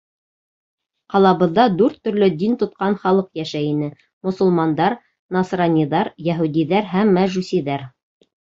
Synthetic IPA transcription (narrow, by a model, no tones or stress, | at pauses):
qɑlˠɑβɤ̆ðːɑd̪ʉɾt̪ːɵ̆ɾlɵd̪int̪ŏt̪̚qɑnχɑlˠɤqjæʃæinɘ | mŏsŏlˠmɑnd̪ɑɾ | nɑsrɑnʲːiðɑɾjæɦud̪iðæɾɦæmːæʒʉsʲiðæɾ